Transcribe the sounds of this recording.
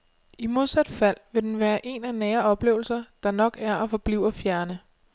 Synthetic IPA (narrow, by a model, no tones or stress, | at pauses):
imo̝ð̞ˠsæd̥fæl̰ʋe̝d̥enʋæːɐʔe̝nænɛːɐɒ̽b̥le̝ːʊl̩sɐd̥ɑ̈nɒ̽ɡ̥æɐʔɒfɒ̽b̥liʊ̰ɐfjæɐnə